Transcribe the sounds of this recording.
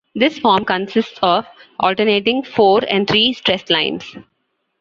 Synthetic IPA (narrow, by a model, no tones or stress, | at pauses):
d̪ɪsfɔːɾmkə̃nsɪsʈsɔːʋʔɔ̰ːlʈəɾneːʈɪ̃ŋɡfoːɾɛ̰̃ɳɖ̚t̪ʰɾiːsʈɾɛslãɪ̃ns